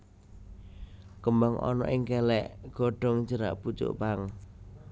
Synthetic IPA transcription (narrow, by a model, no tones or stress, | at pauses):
kəmbaŋʔɔ̰nɔ̰ʔɪŋkɛlɛʔɡ̥ɔ̤ɖ̥ɔ̤ŋd͡ʒəɾa̰ʔput͡ʃʊ̰ʔpaŋ